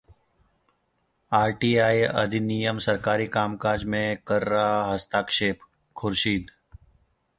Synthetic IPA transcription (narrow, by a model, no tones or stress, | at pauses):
aːɾʈiːaːiə̰d̪ʱinijəmsəɾkaːɾikaːmkaːd͡ʒmẽkəɾːaːɦəst̪aːkʃeːpʰ | kʰʊɾʃiːd̪